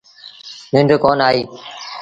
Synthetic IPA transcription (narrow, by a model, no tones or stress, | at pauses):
nɪ̃ɳɖkoːnaːɦiː